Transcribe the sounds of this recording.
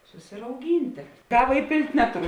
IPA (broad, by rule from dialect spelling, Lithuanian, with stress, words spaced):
sʊsʲɪrɐʊˈɡʲiːnʲtʲeː ˈkɑːʋɐ ɪˈpʲeːlʲtʲ ˈnʲæːtʊˌrʊ